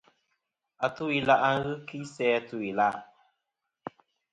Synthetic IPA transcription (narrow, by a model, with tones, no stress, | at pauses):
a˨tu˦i˨la˦ʔa˦ŋ̩˦ɣɨ˦ki˦sɛː˦tu˦i˨la˦˨